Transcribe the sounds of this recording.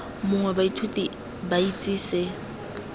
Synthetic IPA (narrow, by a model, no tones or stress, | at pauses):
mʊŋwɛbaitʰutʼi | bait͡sʼiːsɪ